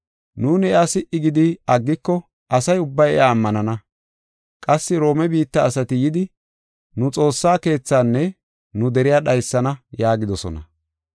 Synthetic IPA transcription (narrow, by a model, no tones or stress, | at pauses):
nuːnɛʔɐsɪʔɪɡɪd̪ɪɐɡːɪkːɔ | ʔɐsɐjʊbːɐjɛ̰ʔaːmːɐnɐnɐ | kʼɐsːɪɾo̞ːmɛbiːt̪ːɐːsɐt̪ɪjɪd̪ɪ | nʊt͡sʼo̞ːsːaːke̞ːt͡sːaːnːɛ | nʊd̪ɛɾɪjaːɗɐjsːɐnɐjaːɡɪd̪ɔsɔ̰nɐ̰